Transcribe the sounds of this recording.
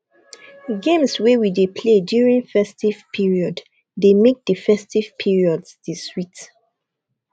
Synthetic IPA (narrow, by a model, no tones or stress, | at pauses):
ɡẽmswɛwidepʰledjuɹĩŋfɛstiv̥pʰiɹiɔdː | emek̚dəfɛstiv̥pʰiɹiɔdsdiswit